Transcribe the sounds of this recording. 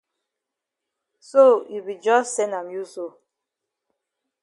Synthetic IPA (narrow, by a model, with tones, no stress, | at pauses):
so˦˨ju˨bi˨d͡ʒɔ˦ssɛ˦na˨mju˦so˦˨